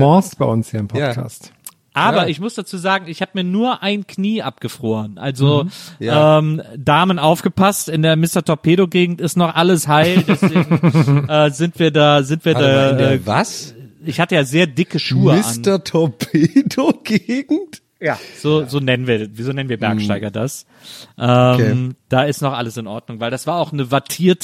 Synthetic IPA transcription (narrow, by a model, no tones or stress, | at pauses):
mɔɐstb̥aɪʔʊnshiːɐɪmpʰɔkʰa̰ːst | ʔaːbɐɪçmʊsd̥at͡suːzaːɡŋ̩ɪçhaːbəmiːɐnuːɐʔaɪnkʰniːʔapɡ̥əfʁ̥oːʁənʔa̰lzoʔɛːmdaːmənʔaʊfɡ̥əpʰastɪndeːɐmɪstɐtʰɔɐpʰeːɾoɡeːɡŋ̩tɪstnɔχʔaləshaɪldɛseːɡŋʔɛːzɪntv̥iːɐdaːzɪntviːɐdaːɛːvasɪçhatəjaːzeːɐdɪkəʃuːəmɪasntɐtʰɔɐpʰedoɡ̥eːɡŋ̩t | jaːz̥oːzoːnɛnənviːɐviːzoːnɛnənviːɐbɛɐkʃttaɪɡɐdas | ʔɛːd̥aːɪstnɔχʔa̰ləsɪnʔɔɐdnʊŋvaɪldasv̥aːɐaʊxnəvaɐtʰiːɐt